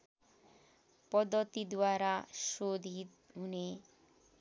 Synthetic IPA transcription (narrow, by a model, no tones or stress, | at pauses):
pɔd̪ːɔt̪id̪waɾaʃod̪ʱit̪ɦune